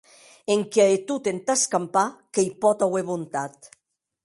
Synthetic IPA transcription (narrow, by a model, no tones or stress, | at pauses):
eŋkaet̪ut̪ent̪askampakejpɔt̪aweβont̪at̪